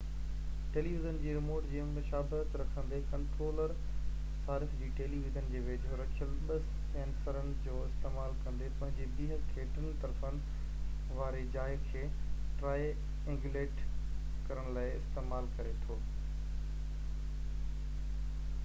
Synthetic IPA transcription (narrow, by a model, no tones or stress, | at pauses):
ʈeːliːʋɪzənd͡ʑiːɾɪmoːɾʈd͡ʑiːəmɪʃaːbət̪ɾɐkʰə̃nd̪ekɐ̃ɳʈɾoːləɾ | saːɾɪfd͡ʑiːʈeːliʋɪzənɪ̆d͡ʑeːʋet͡ɕɾɐt͡ɕʰəlɓɐs | ɛ̃ːnsəɾənɪ̆d͡ʑoːɪst̪eːmaːlkɐ̃nd̪epɐ̃ɦɪ̃ɲd͡ʑeːbiːɦkʰeːʈənɪ̆t̪ɐɾfənɪ̆ | ʋaːɾed͡ʑaːɪkʰeːʈɾaː | ẽŋɡjuleːʈ | kɐɾəɽ̃laːɪɪst̪eːmaːlkɐɾet̪ʰoː